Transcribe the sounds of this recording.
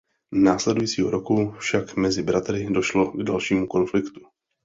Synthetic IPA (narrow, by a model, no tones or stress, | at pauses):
naːslɛdujiːt͡siːɦoɾokufʃakmɛzɪbɾat̪ɾɪdo̞ʃlo̞ɡdalʃiːmuko̞nflɪkt̪u̥